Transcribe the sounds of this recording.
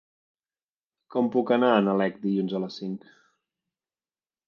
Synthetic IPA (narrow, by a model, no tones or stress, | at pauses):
kɔmpukənaənəlɛkd̪iʎunzələsiŋk